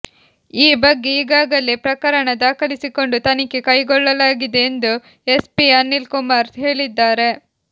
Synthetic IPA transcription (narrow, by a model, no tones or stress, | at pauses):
iːbɐɡːe̞iːɡaːɡɐlːepɾɐkɐɾɐɳɐd̪aːkɐlisiko̞ɳɖut̪ɐnikːekɐjɡɔɭːɐlaːɡid̪e̞ːnd̪u | espianːilkumaːɾɦe̞ːɭid̪ːaːɾe̞